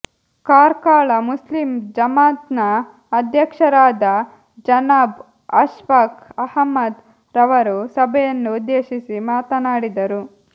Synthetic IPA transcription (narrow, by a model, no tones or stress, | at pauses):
kaːɾkaːɭɐmuslimd͡ʒɐmaːt̪nɐː | d̪ʱjɐkʂɐɾaːd̪ɐ | d͡ʒɐnaːb | ɐʃʋakɐhɐmːɐd̪ | ɾɐʋɐɾusɐbʱɛjɐnːud̪ːeːʃisimaːt̪ɐnaːɽid̪ɐɾu